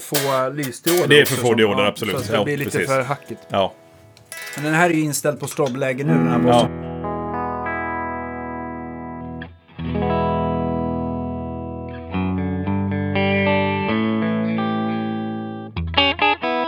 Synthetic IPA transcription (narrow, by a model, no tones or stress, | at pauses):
foːlyːsd̪ɪoːdd̪ɛɛfœɾfoːd̪ɪoːd̪əɾabsɔlʉsaːt̪ːblɪːliːɛt̪əiːfœːɾɦakːɪt̪ɑː | mɛnd̪ɛnɦæːɾɛɾjəɪnst̪ɛld̪̚pʰɔst̪ɾɔblɛːɡənʉ̟ːd̪ɛnhæːboən